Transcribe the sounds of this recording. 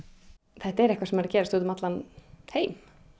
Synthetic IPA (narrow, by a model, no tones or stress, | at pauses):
θajht̪ɛɾɛhkvaɾsɛmɛɾacɛːɾast̪ut̪ʏmat̪lanheːjm